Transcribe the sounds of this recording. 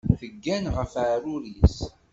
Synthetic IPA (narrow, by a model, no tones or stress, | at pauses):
θəɡːænʁəfʕaɾʊɾis